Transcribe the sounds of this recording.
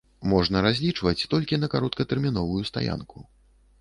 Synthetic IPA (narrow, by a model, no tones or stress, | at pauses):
mɔʐnɐɾazʲlʲit͡ʂvɐt͡sʲt̪ɔlʲkʲinɐkaɾɔt̪kɐt̪ɛrmʲinɔvujust̪a̰ja̰nkʰu